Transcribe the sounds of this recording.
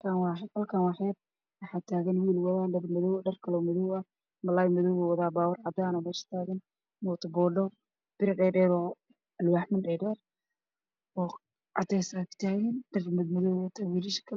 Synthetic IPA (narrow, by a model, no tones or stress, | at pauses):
kʰaːnwɑːħɛd̪hɐlkʰaːnwɑħɛːd̪̚ | wɑħaːt̪ʰaːɣɐnwiːlwɐðaːɖɐrmɐðɔwɖɐrkʰɐlɔmɐðɔwɐ | mɐlaːjmɐðɔwɔwɐðaːbaːwɔrʕɑd̪aːnɔmɛːʃɐ̥t̪ʰaːɣɐn | mɔːt̪ʰɐbɔːɖɔ | b̥ɪɾɐɖɛːɖɛːɾɔ | ɐlwaːħmɪnɖɛɖɛːr | ɔː | ʕɑ̰t̪ɛsakɪ̥t̪ʰaːjɛnɖɐrmmɐðɔwɛt̪ʰɐwiːlɪʃkʰɐ